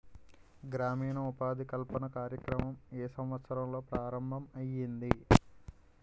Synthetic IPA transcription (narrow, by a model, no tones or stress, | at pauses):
ɡɾaːmiːnɐupaːd̪ʱikɐlpɐnɐkaːɾjɐkɾɐmɐmeːsɐmʋɐt̪sɐɾɐmlo̞ːpɾaːɾɐmbʱɐmɐjind̪i